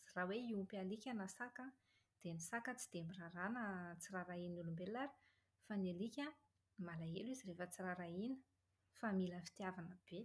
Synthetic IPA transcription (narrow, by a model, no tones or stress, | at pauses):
raweiumpialikʲanasaka | d̪̥enisakət͡si̥d̪̥embiraɾanət͡siraɾainulumbelaɾi̥ | fanelikʲa | malaelizirefət͡siraɾainə̥ | familəfi̥t̪iavanəb̥e